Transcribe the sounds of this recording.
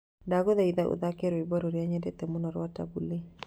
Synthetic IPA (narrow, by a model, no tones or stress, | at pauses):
daɡɔðaiðaʔṵðakɛɾoibɔɾoɾjaɲɛdɛt̪ɛmʊnɔɾwata̰buli